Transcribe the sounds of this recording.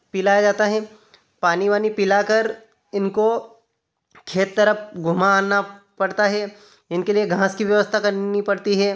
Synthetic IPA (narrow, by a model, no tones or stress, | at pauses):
pɪlaːjad͡ʒaːt̪aɦɛː | paːniʋaːnipɪlakəɾ | ɪnko | kʰeːt̪ːɐɾəp̚ʰɡʱʊmanapɐɽt̪aɦɛː | ɪnkelieɡʱãːskiʋjɐʋəst̪ʰakɐɾnipɐɽt̪iɦɛː